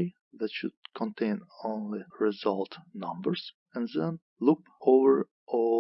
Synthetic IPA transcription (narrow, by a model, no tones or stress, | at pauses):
i | ðætʃʊd̥̚kʰɔ̃ntʰẽɪ̃nõʊ̃nliɹɪzʌlˠtnʌ̃mbə˞z̥ | ɛ̃nðɛ̃n | lʊk | ovə˞ | ʔɔ